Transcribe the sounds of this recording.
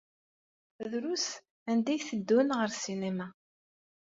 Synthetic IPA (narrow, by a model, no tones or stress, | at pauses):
ðɾus | ænd̪æjθəd̪ːunʁəɾsinemæ